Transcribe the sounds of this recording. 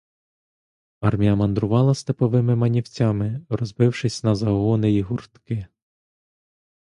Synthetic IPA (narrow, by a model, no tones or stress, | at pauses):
ɑrmʲijɐmɐnd̪ɾʊʋɑlˠɐst̪epɔʋɪmɪmɐnʲiwt͡sʲɑmɪrɔzbɪwʃɪsʲnɐzɐɦɔnɪiɦurt̪kɪ